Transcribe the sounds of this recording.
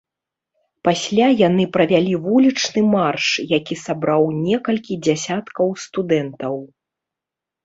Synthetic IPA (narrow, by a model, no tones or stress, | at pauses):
pasʲlʲajanɨpɾɐvʲalʲivulʲit͡ʂnɨmarʂjakʲisabɾawnʲɛkɐlʲkʲid͡zʲasʲat̪kɐwst̪ud̪ɛnt̪ɐw